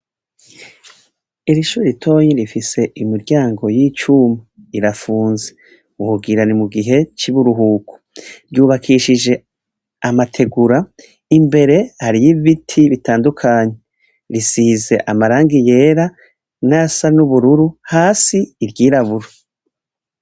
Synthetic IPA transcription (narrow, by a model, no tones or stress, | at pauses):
iɾiʃuːɾeitʰo̞ːɲiɾifise̞ʔimiɾɟaːŋɡo̞jiːt͡ʃumi | iɾafuːnze | uuɡiɾanimuɡiɦe̞t͡ʃiβuɾuɦuːkʰu̥ɾjuːβakʰiʃiʒe̞ | amatʰe̞ɡuɾa | imbe̞ɾe̞haɾijiβitʰiβitaːndukʰaːɲe̞ | ɾisiːze̞ʔamaɾaːŋɡije̞ːɾa | nasanuβuɾuɾuhaːsiːɾɟiːɾaβuɾo